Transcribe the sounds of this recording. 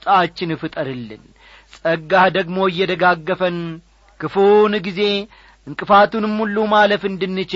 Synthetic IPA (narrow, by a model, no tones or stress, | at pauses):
t̪ʼat͡ʃːɪnɨfɨt̪ʼəɾɨlːɨ̰n | sʼəɡːad̪əɡmo̞ɪjːɛd̪əɡaɡːəfən | kɨfonɡize̞ | ɨŋkʼɨfat̪unɨmːulːumaləfɨnd̪ɨnːɨt͡ʃ